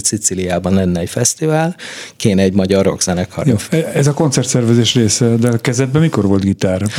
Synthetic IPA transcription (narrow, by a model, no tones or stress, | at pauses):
sit̪silijaːbɒnlɛnːɛɛcfɛst̪ivaːlkeːnɛɛɟmɒɟɒro̞̰ɡz̥ɛnɛkhɒ̰rofɛzɒko̞nt̪sɛrt̪sɛrvɛzeːʃreːsɛd̪ɛkɛzɛd̪̚bɛmiko̞rvo̞lt̪ɡit̪aːr